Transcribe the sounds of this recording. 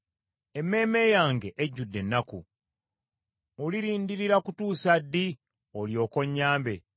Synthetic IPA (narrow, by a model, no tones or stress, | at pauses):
e̞mːe̞ːme̞ːjaːŋɡe̞ʔeɟːudːe̞nːakṵ | muliɾiːndiɾiɾakutuːsadːi | oljo̞ːko̞ɲːaːmbe̞